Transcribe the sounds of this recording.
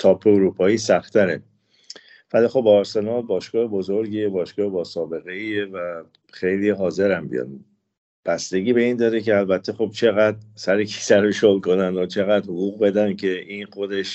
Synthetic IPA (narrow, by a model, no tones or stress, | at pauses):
t̪ʰɒːpʰːeoɾuːpʰɒːiːsæxt̪ʰæɾe | vælixobːɾse̞nɒːlbɒːʃɡ̥ɒːhebozo̞ɾɡiebɒːʃɡ̥ɒːhebɒːsɒːbe̞ɣe̞iːevæ | xejliɦɒːze̞ɾæmbḭjɒ̰d̪ | b̥æst̪e̞ɡiːbeiːnd̪ɒːɾeceælbæt̪ʰːe̞xo̞b̚t͡ʃʰe̞ɣæd̪̚sæɾekʰi̥sæɾoʃolkʰo̞nænd̪ɒt͡ʃʰe̞ɣæd̪hoɣuɣbe̞d̪æncʰe̞inxod̪e̞ʃ